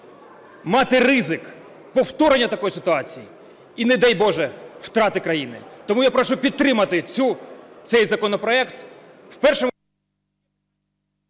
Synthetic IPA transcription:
mɑt̪ɪrɪzɪk | pɔwt̪ɔɾenʲːɐt̪ɐkɔjisɪt̪ʊɑt͡sʲiji | inɛd̪ɛjbɔʒɛwt̪ɾɑt̪ɪkɾɐjinɪ̰t̪ɔmujapɾɔʃupʲid̪̚t̪ːɾɪmɐt̪ɪt͡sʲut̪sɛjzɐkɔnɔpɾɔɛkt̪ | wpɛrʃɛ

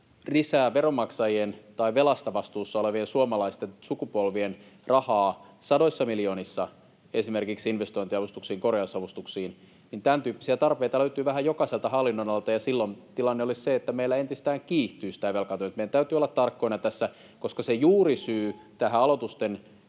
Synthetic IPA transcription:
risæːʋeromɑksɑjient̪ɑiʋelɑst̪ɑʋɑst̪uːsːɑoleʋiensuomɑlɑist̪ensukupolʋienrɑhɑː | sɑdoisːɑmiljoːnisːɑ | esimerkiksinʋest̪oint̪iɑʋust̪uksiːŋkoreɑsːɑʋust̪uksiːn | nint̪ænt̪yːpːisiæt̪ɑrpeit̪ɑløyt̪yːʋæɦæjokɑselt̪ɑhɑlːinːonɑlt̪ɑjɑsilːont̪ilɑnːeolisseet̪ːæmeilːæent̪ist̪æːŋkiːht̪yːsi̥t̪æʋelkɑt̪yønt̪meidænt̪æyt̪yolːɑt̪t̪ɑrkːoinɑt̪æsːæ | koskɑsejuːrisyːt̪æhæɑlot̪ust̪en

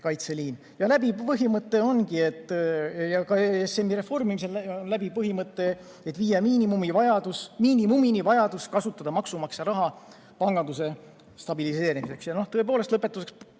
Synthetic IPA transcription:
kɑjt̪se̞liːn | jɑlæbipɤɦimɤt̪ːˑe̞o̞nɡie̞t̪ːˑjɑkɑesemːiɾe̞fo̞rmimis̬e̞lonlæbipɤɦimɤt̪ːˑe̞ | et̪ːviːjɑmiːnimumivɑjɑd̪̥usmiːnimuminivɑjɑd̪̥uskɑsut̪ːˑɑd̪ɑmɑksumɑksjɑɾɑɦɑ | pɑŋɡ̥ɑnd̪use̞ | st̪ɑbilise̞ːɾimise̞ksjɑno̞ht̪ɤe̞poːlest̪lɤpːˑe̞t̪ːˑuse̞ks

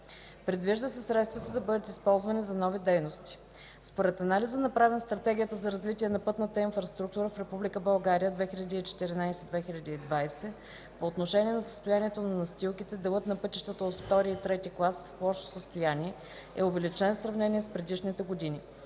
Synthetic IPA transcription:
pɾɛd̪viʒd̪əsɛsɾɛt̪st̪vət̪əd̪ɐbɤd̪ət̪ispɔlˠzvɐnizɐnɔvid̪ɛjnost̪i̥ | spoɾɛt̪ɐnalizənɐpɾavɛnst̪ɾɐt̪ɛɡʲijət̪əzɐɾɐzvit̪ʲiɛnɐpɤt̪nət̪əinfɾɐst̪ɾuk̚t̪uɾəfɾɛpublʲikəbɐlˠɡaɾijəd̪vɛxʲilʲəd̪iːt͡ʃɛ̥t̪iɾinajsɛd̪vɛxilʲɐd̪iːd̪vajsɛ | poːt̪noʃɛnʲiɛnɐsə̥st̪ojaniɛt̪onɐnɐst̪ʲilˠkit̪ɛd̪ɛlˠɤt̪nɐpɤt̪iʃt̪ət̪əot̪ft̪ɔɾiit̪ɾɛt̪iklˠasflˠɔʃo̥səst̪ojanʲiɛ | ɛʊvɛlit͡ʃɛnsɾɐvnɛnʲiɛspɾɛd̪iʃnit̪ɛɡod̪ini

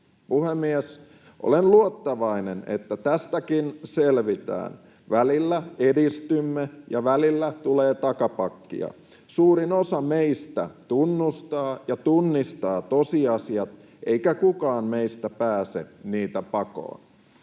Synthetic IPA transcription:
puhemːies | ʔo̰lenluot̪ːɑʋɑinene̞̰t̪ːæt̪æst̪ækinselʋit̪æ̰ːn | ʋælilːæedist̪ymːejɑʋælilːæt̪uleːt̪ɑkɑpɑkːḭɑ̰ | suːɾinosɑmeist̪æ̰t̪unːust̪ɑːjɑt̪unːist̪ɑːt̪o̞siɑsiɑt̪ | ʔeikækukɑːnme̞ist̪æpæːse̞̰niːt̪æpɑko̰ːn

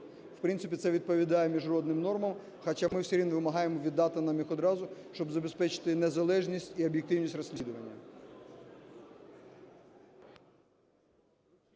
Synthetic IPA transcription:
w̥pɾɪnsɪpʲit̪sɛʋʲid̪̚pɔʋʲid̪ɑjɛmʲiʒrɔd̪nɪmnɔrmɐm | xɐt͡ʃamɪwsʲiɾʲinʋɪmɐɦɑjemɔʋʲid̪ːɑt̪ɪnɑmjixɔd̪ɾɑzʊʃt͡ʃɔbzɐbespɛt͡ʃɪ̥t̪ɪnezɐlˠɛʒnʲisʲtʲiɔbʲjek̚t̪ɪwnʲisʲtʲrɐsʲnʲid̪ʊʋɐnʲːɐ

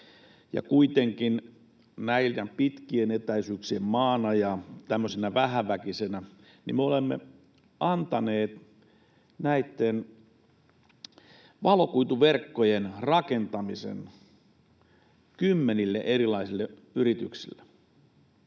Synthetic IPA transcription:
jɑ̰kuit̪eŋkin | næiljæpit̪kienet̪æisyːksiemmɑːnɑjɑt̪æmːøsenæʋæhæʋækisenæ | nimeolemːḛ | ɑnt̪ɑneːt̪ | næit̪ːen | ʋɑlokuit̪uʋerkːojenrɑkent̪ɑmisḛn | kymːenilːeʔerilɑisilːe | yrit̪yksḭlːe̥

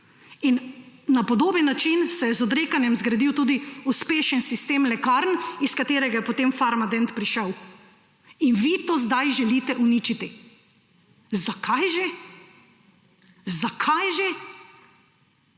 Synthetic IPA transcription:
innapɔd̪oːbənːat͡ʃinsɛjɛzɔd̪ɾeːkanjɛmzɡɾad̪iwt̪uːd̪iuspeːʃənsist̪eːmlɛkaɾniskat̪eːɾɛɡajɛpot̪emfaɾmad̪ɛnt̪pɾiʃɛw | inʋit̪oːzd̪ajʒɛliːt̪ɛʔuniːt͡ʃit̪i | zakʰajʒe | zakʰajʒe

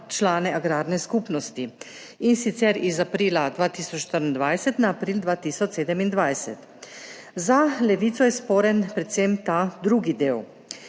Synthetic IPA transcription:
t͡ʃlaːnɛʔaɡɾaːɾnɛskupnɔst̪i | insit̪sɛɾizapɾiːlad̪ʋaːt̪iːsɔt͡ʃʃt̪əɾnd̪ʋajsɛt̪naːpɾiːld̪ʋaːt̪iːsɔt͡ʃseːd̪ɛmind̪ʋajsɛ̰t̪ | zalɛʋiːt̪sɔjɛspoːɾɛnpɾɛt̪semt̪ad̪ɾuːɡid̪eːw

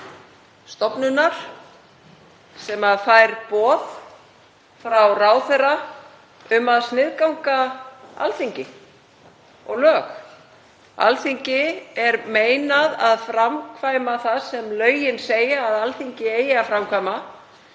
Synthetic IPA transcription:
st̪ɔpnʏnaɾ̥ | sɛmaðfajɾpɔːð | fɾawraːwθɛrːa | ʏmaðsnɪðkawŋkaa̰lθiɲcɪ | ɔ̰ɣlœːx | a̰lθiɲcɪɛɾmeːjnaðaðfɾamkʰvaːjmaθaðsɛmlœːɥjɪnseːjaːðalθiɲcɪeːjɪafɾamkʰvajma

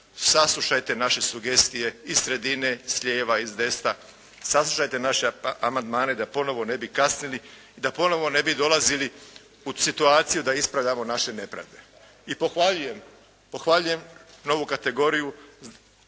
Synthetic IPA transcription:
saslˠuʃajt̪e̞naʃe̞suɡe̞st̪ije̞izsɾe̞d̪ine̞sʎe̞ːʋaizd̪e̞st̪a | saslˠuʃajt̪enaʃe̞amand̪maːne̞d̪apo̞no̞ʋo̞ne̞bikasnili | id̪apo̞no̞ʋo̞ne̞bid̪o̞lazili | usit̪uaːt̪sijud̪aispɾaʋʎʲamo̞naʃe̞ne̞pɾa̰d̪e̞ | ipo̞xʋaʎuje̞m | po̞xʋaʎuje̞mno̞ʋukat̪e̞ɡo̞ɾiju

